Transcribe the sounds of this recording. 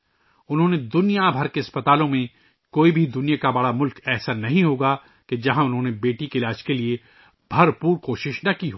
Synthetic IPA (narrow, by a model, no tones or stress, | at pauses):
ʊnɦõːned̪ʊnijabʱɐɾkeɐspɐt̪aːlõmẽ | koːibʱid̪ʊnijakabɐɽamʊlkɛːɦsanɐɦĩɦoːɡa | ked͡ʒɐɦãʊnɦõːnebeːʈikelaːʃkelie | b̥ʱɐɾpuːɾkoːʃɪʃnɐkiɦoː